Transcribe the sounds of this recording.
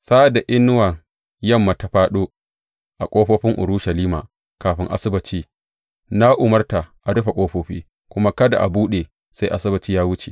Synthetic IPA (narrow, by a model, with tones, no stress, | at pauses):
saː˦da˨ʔɪ˦nːʊ˦wɐ˨ŋ | jɐ˦˨mːa˨ta˨ɸaː˦ɗoː˦ | ʔa˨kʷʼoː˦ɸoː˦ɸɪ˦ŋʔʊ̰˨ɾʊː˦ʃɐ˨liː˦maː˨ | kaː˨ɸɪ˦ŋʔa̰˦sɪ˦bɐ˨t͡ʃiː˦ | na˦ʔʊ˨mɐ˦rta˨ʔa˨ɽʊ˦ɸa˨kʷʼoː˦ɸoː˦ɸḭː˦ | kʷʊ˦ma˦kɐ˦da̰˨ʔa˨buː˦ɗe˨ | sa˦jʔa˦sɪ˦bɐ˨t͡ʃiː˦jaː˦wʊ˦t͡ʃe˨